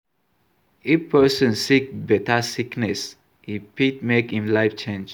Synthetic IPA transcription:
ifpʰɜsɔ̃nsik̚bɛtasiknɛs | hipit̚mekhĩmlaɪft͡ʃẽnd͡ʒ

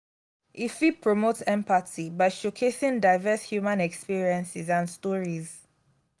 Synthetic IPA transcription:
ʔifipʰɹɔmotɛ̃mpatibaɪʃokʰesɪ̃ŋdaɪvɛshjumãnɛkspiɹiə̃nsɪzãnstɔɹiz

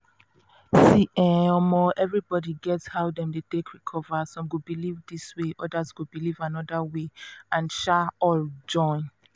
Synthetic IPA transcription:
siʔɛmɔʔɛvɹibɔdiɡɛtshaʊdɛ̃mdetekʰɹikʰɔvasɔ̃mɡubilivdisweʔɔdazɡubilivanɔdaweãnʃaɔld͡ʒɔ̃ɪ̃n

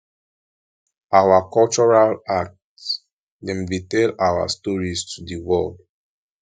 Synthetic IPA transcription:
awakɔlt͡ʃɔɹalak̚t | dɛ̃mvitɛlawa̰stɔɹistʰudiwɛ̰ld

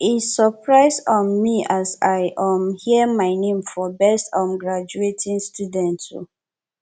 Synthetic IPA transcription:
isːɔpɹaɪsɔ̃nmiasaɪʔãmhiəmaɪnẽmfɔbɛstãmɡɹad͡ʒuetʰĩŋstudɛ̃nto̰

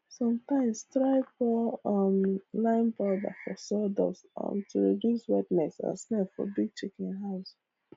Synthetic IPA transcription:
sɔ̃mtãɪ̃mstɹaɪfɔɔmlãɪ̃nbɔda̰fɔsɔdɔ̰sʌ̰̃mtʰuɹidjuswɛdnɛsa̰snɛlfɔ̰biɡ̚t͡ʃikĩnɦaʊs

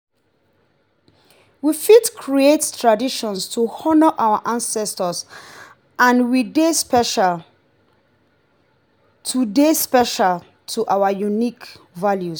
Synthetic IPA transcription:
wifitkʰɹiettʰɹadiʃɔ̃nstʰuhɔnəʔawaʔãnsɛstəs | ãnwidespɛʃal | tʰudespɛʃal | tʰuʔawajunik | valjus

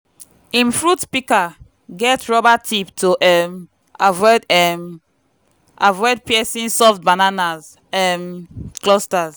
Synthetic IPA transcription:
ĩnfɹutpika | ɡɛtɹɔbatʰiptʰoʔɛm | avɔjdɛm | avɔd̚piɛsĩnsɔfbananaz | ɛmklɔstaz

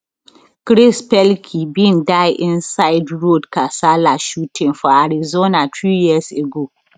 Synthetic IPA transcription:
kɾɪspɛlkʰibindajʔɪnsaɪdɹodkasalaʃutʰɪ̃ŋfaɾizonatɹiːjiseɡo

